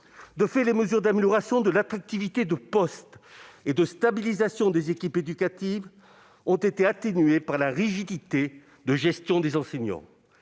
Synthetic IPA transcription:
d̪əfɛleməzyʁd̪ameljɔʁasjɔ̃d̪əlat̪χak̚t̪ivit̪ed̪əpɔst̪ed̪əst̪abilizasjɔ̃d̪ezekʲiped̪ykat̪iv | ɔ̃t̪et̪eat̪enɥepaʁlaʁiʒid̪it̪e | d̪əʒɛst̪jɔ̃d̪ezɑ̃seɲɑ̰̃

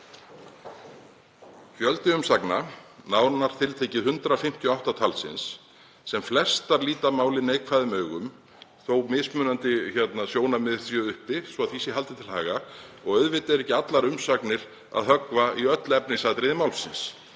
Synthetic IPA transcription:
çjœlt̪ɪʏmsaknanaːwnaɾ̥t̪ʰɪlt̪ʰɛːcɪðɦʏnt̪ɾafɪm̥t̪ʰjɔawht̪at̪ʰalsɪ̰nsː | ɛmflɛst̪aɾliːt̪amaːwlɪneːjkʰvaːðɪmœːɥɣʏm | θowmɪːsmʏːnant̪ɪçɛt̪nasjoːwnamɪðsjœːʏhpɪsvɔaðθiːsɪɦal̪t̪ɪt̪ʰɪlhaːɣaɔɣœɥðvɪt̪ɪðɾɛhcɪat̪laɾʏmsaknɪɾ̥ | a̰ðɦœkvaiœt̪lɛpnɪsaːt̪ɾɪðɪmaːwlsɪns

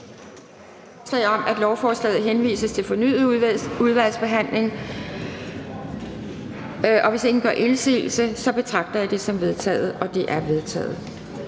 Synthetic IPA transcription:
t͡sʰʁɛɒ̽mæd̥lɒʊfɒːslɛ̰ːð̩ˠɦenʋḭːsəst͡sʰe̝lfɒ̽ny̰ːð̩ˠuðˠʋæl̰sb̥e̝ɦæn̰le̝ŋ | ɒ̽ʋe̝se̝ŋn̩ɡ̥ɶ̰ɐʔe̝nsḭːl̩səsɒ̽b̥e̝t͡sʰʁɑ̈ɡ̥̚d̥ɐjäd̥e̝sɒ̽mʋe̝ð̞ˠt͡sʰɛ̰ːð̞̩ˠɒ̽d̥e̝ʔæɐʋe̝ð̞ˠt͡sʰɛ̰ːð̞̩ˠ

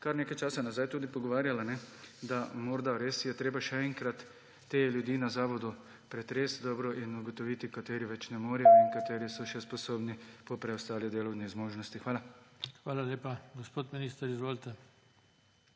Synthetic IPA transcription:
kaɾneːkajt͡ʃaːsanazajt̪uːd̪ipɔɡɔʋaːɾjalanɛd̪amɔɾd̪aɾeːsjɛt̪ɾeːbaʃɛɛŋkɾat̪ː | eːljud̪iːnazaːʋɔd̪u | pɾɛt̪ɾeːsd̪ɔːbɾɔʔinuɡɔt̪ɔʋiːt̪ikat̪eːɾiʋɛt͡ʃnɛmoːɾijɔiŋkat̪eːɾisɔʃɛspɔsoːbnipɔpɾɛɔst̪aːlid̪eːlɔwnizmoːʒnɔst̪ixʋaːlaxʋaːlaleːpaɡɔspoːt̪miniːst̪ɐɾizʋoːlt̪ɛ

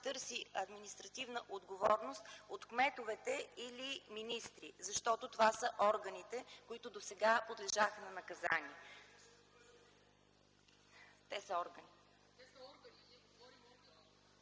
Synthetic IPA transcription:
t̪ɤɾsiɐd̪minist̪ɾɐt̪ivnəʔod̪ɡovɔɾnost̪ot̪kmɛt̪ovɛt̪ɛiliminist̪ɾizɐʃt̪ɔt̪ot̪ovasəʔɔɾɡənit̪ɛkoit̪ʊd̪osɛɡapod̪lɛʒaxənɐnɐkɐza̰niɛ | t̪ɛsəɔɾɡəni

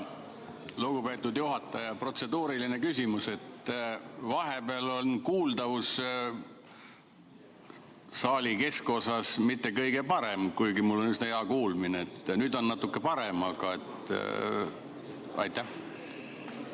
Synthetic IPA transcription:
luɡ̥upe̞ːt̪ˑːud̪juɦɑt̪ːˑɑjɑpro̞t̪se̞d̪uːɾiline̞kysʲimuse̞t̪ː | vɑɦe̞beɑlo̞nkuːld̪ɑvus | sɑːlʲike̞sko̞sɑsmit̪ːe̞kɤjɡe̞pɑɾe̞mkujɡimulːo̞nysnejɑkuːlmineːt̪ːˑnyd̪o̞nːɑt̪ːˑukːe̞pɑɾemɑɡ̥ɑe̞t̪ːˑ | ɑ̰jt̪ːæh

